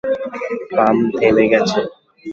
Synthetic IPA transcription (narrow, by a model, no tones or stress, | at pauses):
pamd̪ʱebeɡɛt͡ɕʰe